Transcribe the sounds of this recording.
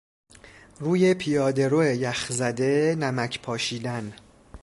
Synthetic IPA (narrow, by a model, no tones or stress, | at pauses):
ruːje̞pʰijɒːd̪e̞ɾoejæxzæd̪e̞næmæcʰpʰɒːʃiːd̪æn